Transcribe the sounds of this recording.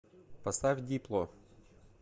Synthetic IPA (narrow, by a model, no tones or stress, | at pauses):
pɐst̪afʲdʲiplˠɔ